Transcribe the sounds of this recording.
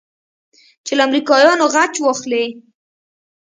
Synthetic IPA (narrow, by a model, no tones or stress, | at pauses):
t͡ʃeləamɾikɑjɑnoɣat͡ʃwɑxle